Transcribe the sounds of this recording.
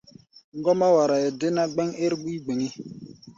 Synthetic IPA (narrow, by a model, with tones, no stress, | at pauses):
ŋ˦ɡɔ˦ma˦wa˨ɾa˨jɛ˨de˦na˦ɡ͡bɛ˦ŋe˦ɾɡ͡bi˦ɡ͡be˨ŋi˦